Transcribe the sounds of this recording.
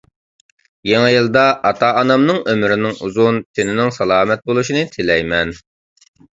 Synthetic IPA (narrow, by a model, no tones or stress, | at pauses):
jeŋɪjɨlˠd̪ɑʔɑt̪ʰɑʔɑnɑmnɨŋømɾɪnɪŋuzunt̪ʰɪnɪnɪŋsɑlˠɑːmɛt̪̚bolˠuʃinɨt̪ʰɪlɛjmɛn